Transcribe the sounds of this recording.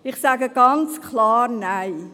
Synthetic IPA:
iχsæɡəɡɐnskʰlɑːrnəj

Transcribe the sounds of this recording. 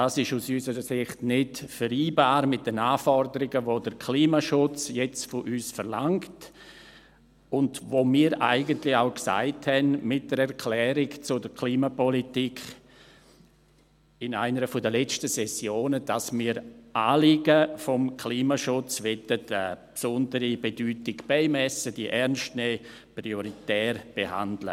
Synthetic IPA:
daːsɪʃusysəɾəsɪχtnɪtfəɾiːbaːɾmɪt̚d̥ənaːfɔɾdəɾɪɡəʋodəɾkʰliːmaʃʊt͡sjɛt͡stfɔʔyːsfəɾlaŋkt | ʊndvoːmiːɾʔa̰ɪɡəntlɪaʊksa̰ɪthɛnmɪt̚d̥əɾɛɾkʰlɛːɾɪɡt͡sʊdəɾkʰliːmapɔlitikʰ | ɪna̰ɪnəɾəfɔdəlɛt͡stəsɛsjoːnəd̥asmiːɾʔaːliɡəfɔmkʰliːmaʃʊt͡sʋɛtətəpsʊndəɾibedyːtɪɡbɛɪmɛsəd̥iʔɛɾnʃtnɛː | pɾioɾitɛːrb̥eha̰ndlə̰

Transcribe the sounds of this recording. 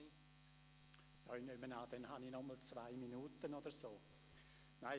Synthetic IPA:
jɑinymənaːd̥ɛnhaninɔməlt͡svaɪminuːt̪ənod̪əɾsoː | naɪ

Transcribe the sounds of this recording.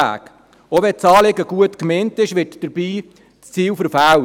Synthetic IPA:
æ̰ːk | oʋɛt͡sɑːlɪɡəɡ̥uətkmentɪʃʋɪtd̥əɾbiː | t͡st͡siːwfəɾfæw

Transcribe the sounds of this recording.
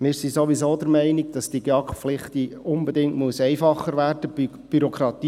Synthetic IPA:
mɪːɾsisoʋisoːdəɾmɛɪniɡ̚d̥ɑsd̥iɡeɑkflɪχtiʊnbɛdɪŋtmuəsɛɪfɑχːəɾʋæːrd̥ə | b̥yɾɔkʰɾɑt̪iː

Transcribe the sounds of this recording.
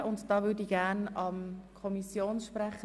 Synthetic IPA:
ʔʊntd̥ɑːʋʏdiɡ̥æːnɑmkʰɔmisjoːnʃpræχə

